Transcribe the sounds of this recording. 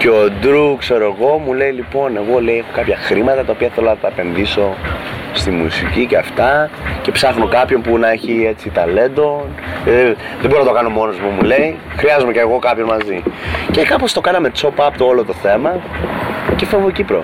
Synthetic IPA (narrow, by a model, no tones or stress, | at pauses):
cod̪ɾukse̞ɾoeɣo̞mule̞ilipo̞ne̞ɣo̞le̞iexokɐpçɐxɾimɐt̪ɐt̪ɐopiɐθelonɐt̪ɐepe̞nðiso̞st̪imusiciceɐft̪ɐce̞psɐxno̞kɐpço̞npunɐeçie̞t͡sit̪ɐle̞nd̪o̞n | ðeboɾinɐt̪okɐno̞mo̞nozmumule̞i | xɾiɐzomeceːɣo̞kɐpço̞nmɐzice̞kɐpo̞st̪o̞kɐnɐme̞t͡so̞pɐpt̪oolot̪o̞θe̞mɐ | cefovocipɾo̰